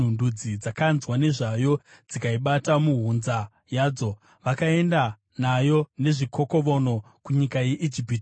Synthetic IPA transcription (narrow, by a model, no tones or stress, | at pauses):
undud͡zid͡zakanzwane̞ʐajo̞ | d͡zikaiɓatamuɦunza | jaːd͡zo̞ | ʋakae̞nda | najo̞ne̞ʐikʰo̞ko̞ʋo̞no̞ | kuɲikaje̞ʔid͡ʒipit